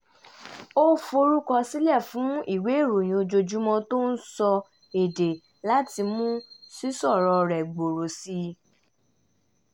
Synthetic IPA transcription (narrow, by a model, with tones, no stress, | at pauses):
o˦fo˧ɾu˦kɔ˧si˦lɛ˦˨fũ˨˦i˦˨we˨˦˨ɾu˨j̃ĩ˨o˧d͡ʒo˧d͡ʒu˦mɔ̃˧to˦n̩˦sɔ˧ | e˨de˨ | la˦ti˧mũ˦si˦sɔ˦˨ɾɔ˧ɾɛ˨ɡ͡bo˨ɾo˨si˧